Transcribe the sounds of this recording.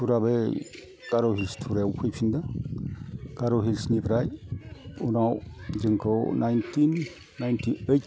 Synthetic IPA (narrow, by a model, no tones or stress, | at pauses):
tʰuɾabe | kaɾɔɦilstʰuɾewpʰɯjpʰindɯ | ɡ̥aɾɔɦilsnibʰɾaj | unawd͡ʒɯŋkʰɔwnajntʰinː | ajntʰiejt̚